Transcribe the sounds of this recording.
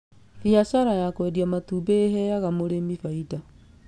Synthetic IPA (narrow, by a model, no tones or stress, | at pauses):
fiasaɾajakwɛdjamatubeeɦɛjaɣamoɾemifaida